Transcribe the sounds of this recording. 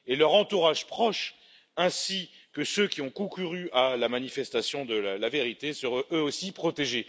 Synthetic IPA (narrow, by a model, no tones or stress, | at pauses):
elœʁɑ̃t̪uʁaʒpχɔʃ | ɛ̃si | kəsøkʲiɔ̃kɔ̃kʲyʁyalamanifɛst̪asjɔ̃d̪əlalaveʁit̪esəʁɛ̃øosipχɔt̪eʒe